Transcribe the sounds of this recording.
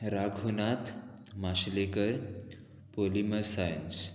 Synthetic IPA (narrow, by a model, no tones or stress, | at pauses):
ɾaɡʱɦunat̪ʰ | maɕlekəɾ | poliməsajəns